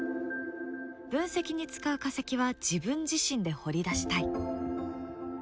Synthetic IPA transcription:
b̥ɯ̟̃ɰ̃se̞kʲiɲ̟it͡sɨ̥kaɯ̟kase̞kʲiβad͡ʑibɯ̟̃ɲd͡ʑiɕĩnd̪e̞ho̞ɾʲid̪aɕi̥t̪ai

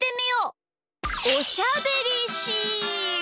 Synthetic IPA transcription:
t̪e̞mʲijoː | oɕabeɾʲiɕi

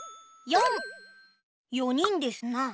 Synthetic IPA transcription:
jõŋ | joɲ̟ĩnd̪e̞sɨna

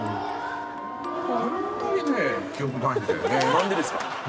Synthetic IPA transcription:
hõnt̪oɲ̟inekʲijo̞kɯd̪ãĩisḛnãnd̪ed̪esɨ̥ka̰

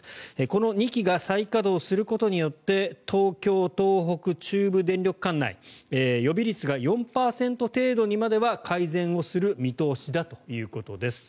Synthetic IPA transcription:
eko̞no̞ɲ̟ikʲiɡasaikad̪o̞ːsɨɾɯ̟ko̞t̪o̞ɲ̟ijo̞t̪ːe̞t̪ʰo̞ːkʲo̞ːt̪o̞ːɦo̞kɯ̟t͡ɕɨːbɯ̟d̪ẽ̞nɾʲo̞kɯ̥kãnːa̰ḭejo̞bʲiɾʲit͡sɨɡajõ̞mpaːsẽ̞nt̪o̞t̪e̞ːd̪o̞ɲ̟imad̪e̞βakʰaizẽ̞ɰ̃o̞sɨɾɯ̟mʲit̪o̞ːɕid̪at̪o̞̥jɯ̟ːko̞t̪o̞d̪e̞sɨ̥

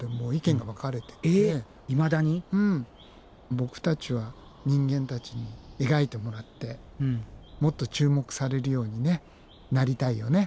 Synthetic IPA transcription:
emo̞ːikẽ̞ŋɡaβakaɾe̞t̪e̥ee | imad̪aɲ̟iɯ̟̃ː | bo̞kɯ̟̥t̪at͡ɕiβaɲ̟ĩŋɡẽ̞nt̪at͡ɕiɲ̟ie̞ɡait̪e̞mo̞ɾat̪ːe̞ | mo̞t̪ːo̞t͡ɕɨːmo̞kɯ̟̥saɾe̞ɾɯ̟jo̞ːɲ̟ine̞ | naɾʲit̪aijo̞ne̞

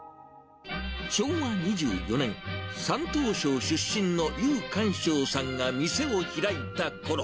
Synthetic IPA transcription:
ɕo̞ːβaɲ̟id͡ʑɨ̰ːjo̞nẽ̞ŋsãnt̪o̞ːɕo̞ːɕɨɕːĩnno̞jɯːkãɰ̃ɕo̞ːsãŋɡamʲise̞o̞çiɾait̪ako̞ɾo

